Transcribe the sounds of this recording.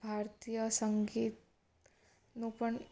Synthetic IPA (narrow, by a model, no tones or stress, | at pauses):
bʱaːɾt̪ijəsəŋɡiːt̪̚ | nupəɳ